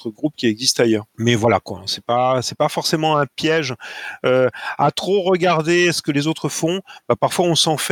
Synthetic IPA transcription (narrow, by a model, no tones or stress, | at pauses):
t̪χəɡʁupkʲiɛɡzist̪ajœːʁmɛvwalakwã̰sɛpasɛpafɔʁsemɑ̃ɛ̃pjɛʒøa̰t̪χoʁəɡaʁd̪esə̥kəlezot̪χəfɔ̃b̥apaʁfwaɔ̃sɑ̃f